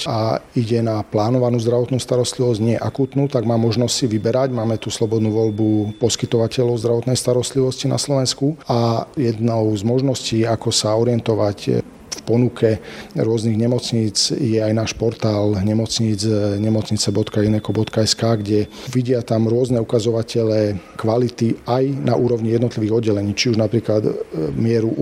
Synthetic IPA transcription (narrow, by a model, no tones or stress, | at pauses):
aiɟɛnaplaːnɔʋanuːzd̪ɾaʋɔt̪nuːst̪aɾɔst̪liʋɔzɟɲɪɛʔakuːt̪nuːt̪aɡmaːmːɔʒnɔstsiʋibɛɾaɟmaːmɛt̪uslɔbɔd̪nuːʋɔʎbupɔskit̪ɔʋacɛlɔʊzd̪ɾaʋɔt̪nɛjst̪aɾɔst̪liʋɔscina̰slɔʋɛnskuajɛd̪nɔʊzmɔʒnɔsciːakɔsaɔɾɪɛnt̪ɔʋac | fpɔnukʰɛɾʊɔzniɣɲɛmɔt͡sɲiːd͡zjɛajnaːʃpɔɾt̪aːlɲɛmɔt͡sɲiːd͡zɲɛmɔt͡sɲit͡sɛbɔt̪kainɛkɔbɔt̪kaɛskaːɡɟɛʋiɟɪat̪amɾʊɔznɛukazɔʋacɛlɛ | kʋalit̪iajnaʔuːɾɔʊɲijɛd̪nɔt̪liʋiːɣɔd̪ɟːɛlɛɲiːt͡ʃiuʒnapɾiːklad̪mɪɛɾu